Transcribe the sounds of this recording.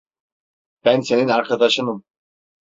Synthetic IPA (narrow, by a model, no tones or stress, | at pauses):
b̥ænseninɑɾkʰad̪ɑʃɯnɯm